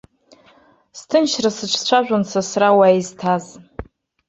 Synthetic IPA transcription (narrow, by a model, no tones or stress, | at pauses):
stʰɨnʃrasɨt͡ʃʷʰt͡ɕʷʰaʒᶣʷansʰasrawajiztʰaz